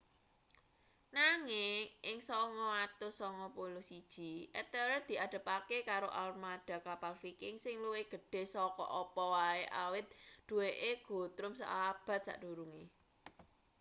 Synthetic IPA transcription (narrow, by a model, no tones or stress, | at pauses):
naŋɪŋʔɪŋsɔŋɔwat̪ʊsɔŋɔpulusid̥ʒ̥i̤ʔɛt̪əɾəd̪̥i̤ad̪̥ə̤pakekaɾoʔalmaɖ̪̥a̤kapalfikɪŋsɪŋluwɪɡ̥ə̤ɖ̥e̤sɔkɔ̰ʔɔpɔwaeʔawɪt̪̚ɖ̪̥ṳweʔeɡ̥o̤t̪ɾʊmsa̰ʔab̥ä̤t̪̚sa̰ʔɖ̥uɾuŋe